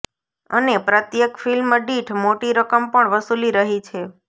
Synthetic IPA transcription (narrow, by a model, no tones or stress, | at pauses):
ənepɾət̪jəkfilmɖiʈʰmoʈiɾəkəmpəɳʋəsuliɾəɦit͡ʃʰe